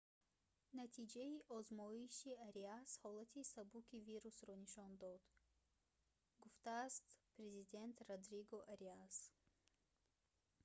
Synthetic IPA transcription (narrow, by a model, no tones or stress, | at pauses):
nat̪ʰid͡ʒaiʔɔzmɔiʃiaɾiashɔlat̪ʰisabukiviɾusɾɔniʃɔnd̪ɔd̪̥ | ɡuft̪aːst̪pɾezid̪e̞nt̪rad̪ɾiɡɔʔaɾias